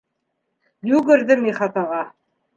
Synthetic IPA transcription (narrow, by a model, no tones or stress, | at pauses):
jʉɡɘ̆ɾðɘmiχɑt̪ɑʁɑ